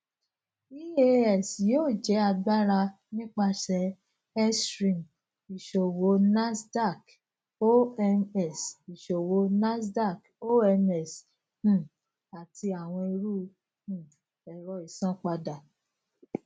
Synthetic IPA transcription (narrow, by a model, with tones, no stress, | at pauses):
i˦e˦ɛ˦˨sjoː˦˨d͡ʒɛ˨˦a˧ɡ͡ba˦ɾa˧ | nĩ˦k͡pa˧ʃɛ˧˦ | ɛ˦sɾĩ˨m | i˨ʃo˨wo˨˦na˦sda˦˨k | o˦ɛ˧nɛ˦˨si˨ʃo˨wo˨˧˦na˦sda˦˨k | o˦ɛ˧nɛ˦˨s | hũ˦˨ | a˨tʰi˧a˨w̃ɔ̃˧e˧ɾu˦ | hũ˦˨ | ɛ˨ɾɔ˧i˨sã˦k͡pa˧da˨